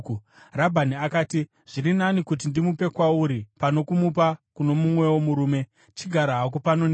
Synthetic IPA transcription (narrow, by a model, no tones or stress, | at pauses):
rabʱaniakaːti | ʐ̥irinanikut̬indimupe̞kwauɾipano̞kumup̬akuno̞mumwe̞womuɾuːme̞ | t͡ʃiɡʱaɾaɦak̬upano̞ne